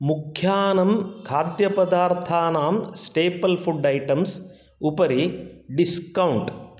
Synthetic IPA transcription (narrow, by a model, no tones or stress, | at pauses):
mukʰjaːnɐmkʰaːd̪jɐpɐd̪aːɾt̪ʰaːnaːmsʈeːpɐlpʰuɖɐjʈɐms | upɐɾiɖiskɐwuɳʈ